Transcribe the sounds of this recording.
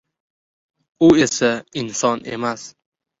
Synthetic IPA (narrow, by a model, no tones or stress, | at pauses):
ʊesaɪnsɒnḛmas